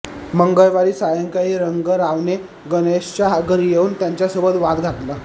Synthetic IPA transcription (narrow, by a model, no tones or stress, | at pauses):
məŋɡəjʋaɾiːsajəŋkaiːɾəŋɡəɾaʋne | ɡəneɕt͡ɕaɦaɡəɾjeuːnt̪jaɲt͡ɕjasubət̪ʋad̪ɡʱat̪lə